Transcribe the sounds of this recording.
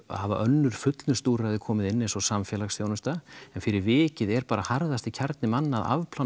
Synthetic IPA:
ha̰va̰ʔœnːʏɾ̥fʏt̪lnʏst̪uːɾrajðɪkʰɔːmɪðɪnːɪnsɔsamfjɛːlaɣsθjoːwnʏst̪aɛnfɪɾɪɾvɪːcɪðɛɾpaːɾahaɾðast̪ɪcʰaɾt̪nɪmanːaða̰vpʰla

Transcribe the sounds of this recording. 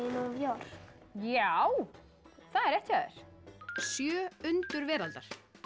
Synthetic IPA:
nɔvjɔɾ̥ | jaw | θaðɛɾɛht̪ɪaːðɾ̥sjœːʏnt̪ʏɾvɛːɾalt̪aɾ̥

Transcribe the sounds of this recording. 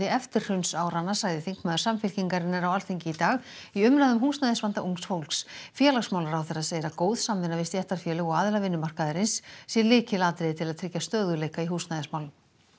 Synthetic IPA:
ɪɛft̪ɪr̥r̥ʏnsaːwɾanːasaːɣðɪθiŋkmaːðʏɾ̥samfɪlciŋkaɾɪnːaɾawalθejɲcɪit̪aːɣiʏmnaðʏmɦuːsnajðɪsvant̪aʔuŋksfowlksfjɛːlaɣsmawlaɾawθɛrːaseːjɾakoːwð̥samːɪnːavɪst̪jɛht̪aɾ̥fjɛːlʏɣɔɣaːðɪlavɪnːʏmar̥kaðɪɾɪnsːjɛlɪːcɪlaːt̪ɾɪðɪt̪ʰɪlaðt̪ʰɾɪcːast̪œːðʏlejkaiɦuːsnajðɪsmawl

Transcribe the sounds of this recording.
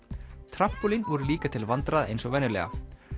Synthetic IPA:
t̪ʰɾam̥pulinvɔɾʏliːkat̪ʰɪlvant̪ɾaðaḛjnsɔvɛnːʏlɛ̰ɣa̰

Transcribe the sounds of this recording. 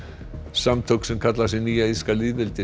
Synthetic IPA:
samt̪ʰowksɛmkʰat̪las̬ɪniːjaiskaliːðvɪlt̪ɪ

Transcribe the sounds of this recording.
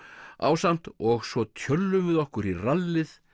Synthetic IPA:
a̰ːwsan̥t̪ɔɣsvɔt̪ʰjœlːʏmvɪðɔhkʏɾiralːɪθ

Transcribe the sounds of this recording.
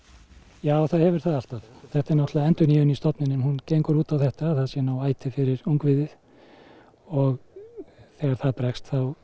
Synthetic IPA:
jaːwθaðhɛvʏɾ̥θaðal̥t̪aðθɛht̪ɪɾnɔht̪laɛnt̪ʏniːvʏnist̪ɔt̪nɪnːɪmhunceːjŋkʏɾuːt̪awθɛht̪aːðθaðsjɛnawaːjt̪ʰɪfɪɾɪɾuŋkvɪðɪθ | ɔɣ | θɛːɣaɾ̥θaðpɾɛkst̪θaw

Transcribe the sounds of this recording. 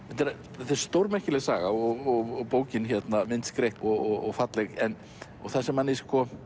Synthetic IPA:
θɛt̪ːɛɾ | θɛɾ̥st̪owɾmɛhcɪlɛɣsaːɣaɔɣɔɔpoːwcɪnçɛt̪namɪnt̪skɾejhpɔɣɔɣɔ̰ɣfat̪lɛɣɛn | ɔɣθaðsɛmhanːɪskɔ

